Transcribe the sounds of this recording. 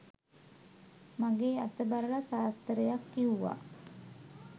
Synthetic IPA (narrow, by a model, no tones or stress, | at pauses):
maɡeːa̰t̪əbaɾəlasaːst̪əɾəjakːiuʋa̰ː